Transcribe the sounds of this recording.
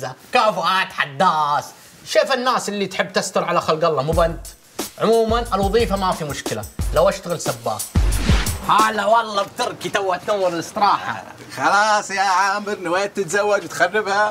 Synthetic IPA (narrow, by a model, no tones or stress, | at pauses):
akaːfʊʔaːt̪ħad̪ːaːs | ʃeːfɪnːaːsɪlːit̪ħɪbːt̪ast̪ʊɾʕalaxalɡɑlˤːɑmʊbant̪ | ʕʊmuːmanɪlwɑðˤiːfamafimʊʃkɪla̰lawʔaʃt̪aɣɪlsabːa̰ː | haːlawɑlˤːɑb̚t̪ɪɾˤkit̪awːat̪nawɪlɪlɪsˤt̪ɨɾˤɑːħa̰ | xɑlɑːsˤjaʕaːmɪɾnɪwaːjat̪ːɪt̪zawːad͡ʒwt̪xarːɪbha